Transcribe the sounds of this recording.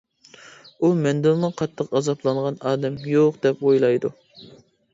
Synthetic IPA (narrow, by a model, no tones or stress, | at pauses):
umɛnd̪ɪlˠnɨqʰɑt̪ʰːəqɑzɑplˠɑɴʁɑnɑːd̪ɛmjoqd̪ɛpojlˠɑjd̪ṵ